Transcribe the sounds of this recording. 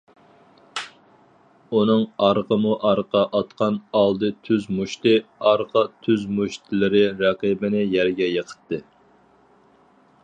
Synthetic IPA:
unɨŋɑɾʁəmuʔɑɾqɑʔɑt̪qʰɑnɑlˠd̪ɨt̪ʰyzmuʃt̪ɨɑɾʁɑt̪ʰyzmuʃt̪ʰɪlˠɪɾɪɾɑqibɪnɪjæɾɡʲɛjəqʰə̥t̪ːɨ

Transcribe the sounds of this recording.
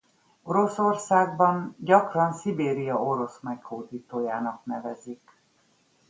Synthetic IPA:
o̞ɾo̞so̞rsaːɡbɒnɟɒkrɒnsibeːɾijɒoɾo̞smɛkhoːd̪iːt̪oːjaːnɒknɛvɛzik

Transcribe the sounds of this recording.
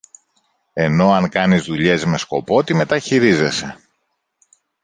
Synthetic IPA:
e̞no̞ɐŋkɐnizðuʎe̞zme̞sko̞po̞t̪ime̞t̪ɐçiɾize̞se̞

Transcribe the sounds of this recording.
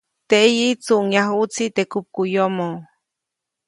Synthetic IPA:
t̪eʔjit͡suʔŋjaɦut͡sit̪ekup̚kujomo

